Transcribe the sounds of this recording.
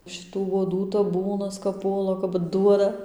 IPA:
ʃʲɪˈtuː uɔˈduː tɐˈbuːnɐs kɐp ˈpuɔlˠɐ kɐp ˈduɔdɐ

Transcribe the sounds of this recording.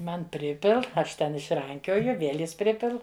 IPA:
ˈmɐn ˈpʲrʲɪpʲɪlˠ ˈɐʃ tʲɛn ɪʃˈrɐŋʲkʲoːjʊ ˈʋʲiɛlʲ ˈjɪs ˈpʲrʲɪpʲɪlˠ

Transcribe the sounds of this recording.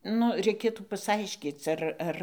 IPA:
ˈnʊ rʲɛɪˈkʲeːtuː pɐsˈɐɪʃʲkʲiːt͡s ɐr ˈɐr

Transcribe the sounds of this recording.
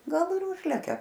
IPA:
ˈɡɐlˠ ɪr ˈʊʒʲlʲɛkʲɛ

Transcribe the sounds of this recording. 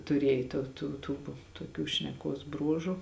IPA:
tʊˈrʲeːj toː ˈtuː ˈtuː toːˈkʲuː ʃʲnʲɛˈkuɔs ˈbruɔʒʊ

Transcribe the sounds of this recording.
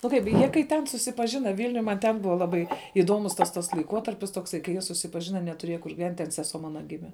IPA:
nʊ ˈkɐɪp ˈjiɛ kɐɪ tʲˈɛn sʊsʲɪpɐˈʒʲɪnɐ ˈʋʲɪlʲnʲʊj mɐn ˈtʲɛn ˈbʊʋɐ ˈlˠɑːbɐɪ ˈɪduɔmʊs tɐs ˈtɐs lˠɐɪˈkuɔtɐrʲpʲɪs toːkˈsɐɪ kɐɪ ˈjiɛ sʊsʲɪpɐˈʒʲɪnɐ nʲɛtʊˈrʲiɛjɛ kʊr ɡʲɪˈʋʲɛnʲtʲ tʲɛn sʲɛˈsuɔ ˈmɑːnɐ ˈɡʲɪmʲɛ

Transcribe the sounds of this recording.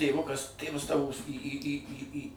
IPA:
tʲeːˈʋʊkɐs ˈtʲeːʋɐs ˈtɑːʋoːs iː iː iː iː ˈiː

